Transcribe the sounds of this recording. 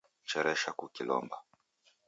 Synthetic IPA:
t͡ʃɛɾɛʃakukilɔ̰mba

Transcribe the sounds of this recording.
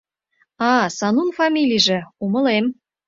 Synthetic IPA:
ɑsɑnunfɑmʲilʲijʒĕumə̆lem

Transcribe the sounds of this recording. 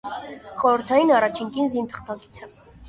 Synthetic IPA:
χɔɾəɾt̪ʰɑjinɑrɑt͡ʃʰiŋkinzint̪ʰə̥χt̪ɑki̥t͡sʰə

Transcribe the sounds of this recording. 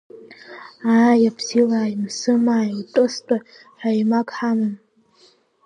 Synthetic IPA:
aːjapʰsilaimsɨmaːjwtʼɨstʼa | ħajmakʼħamɨm

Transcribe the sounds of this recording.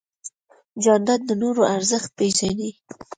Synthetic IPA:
d͡ʒɑnd̪ad̪̚d̪ənoɾoaɾzəxt̪̚peʒani

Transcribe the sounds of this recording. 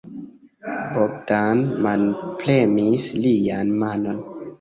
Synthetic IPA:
bobtanmanplemislianmano̞n

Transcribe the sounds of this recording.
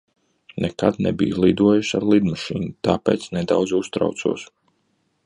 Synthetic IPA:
nʔɛkad̪nɛ̰bḭjlˠid̪uɔjuʃaɾlˠid̪maʃiːnut̪aːpḛːt̪snɛd̪awd̪zust̪ɾa̰wt̪sṵɔs

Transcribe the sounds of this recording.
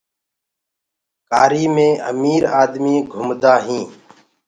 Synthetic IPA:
kaːɾiːmẽːʔə̰miːɾaːd̪miːɡʱʊmd̪aːɦĩː

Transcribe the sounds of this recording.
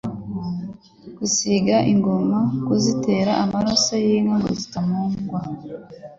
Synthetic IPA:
ɡ̥usiɡaʔiŋɡo̞makuzite̞ːɾaʔamaɾosajiŋaŋɡo̰zitamuːŋɡwa

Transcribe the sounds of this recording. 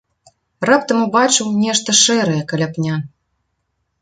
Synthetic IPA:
rapt̪ɐmubat͡ʂɨwnʲɛʂt̪ɐʂɛɾɐjɛkɐlʲapnʲa

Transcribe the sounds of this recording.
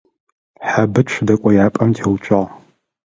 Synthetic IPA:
ħabɨɕʷʰdɐkʷʼɔjaːpʼɐmtʰeːwt͡ʃʷʼɐʁ

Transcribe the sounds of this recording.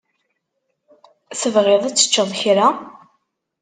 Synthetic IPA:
θəvʁeðˤæt͡sːə̥t͡ʃːəðˤçɾa

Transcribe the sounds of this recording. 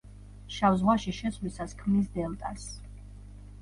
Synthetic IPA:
ʃavzʁwaʃiʃɛsʰlisaskʰmnis̬d̪ɛlˠt̪ʼas

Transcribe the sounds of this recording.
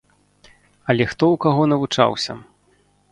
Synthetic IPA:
ɐlʲɛxt̪ɔwkaɣɔnɐvut͡ʂa̰wsʲɐ̰

